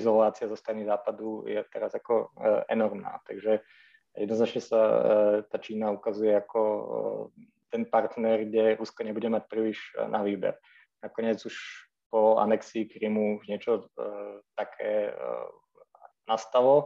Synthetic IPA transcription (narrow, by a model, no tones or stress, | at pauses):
zɔlaːt͡siazɔst̪ɾanizaːpad̪ujɛt̪ɛɾazakɔɛ̰nɔɾmna̰ːt̪aɡʒɛ | jɛd̪nɔznat͡ʃɲɛsat̪aːt͡ʃiːnaukazujɛakɔ | t̪ɛnpaɾt̪nɛɾɡɟɛɾuskɔɲɛbuɟɛmac̚pɾiliʒnaʋiːbɛ̰ɾ | nakɔɲɪɛd͡zuʃ | pɔa̰nɛksiːkɾimuuʒɲɪɛt͡ʃɔ | t̪akʰɛ̰ː | nast̪alɔ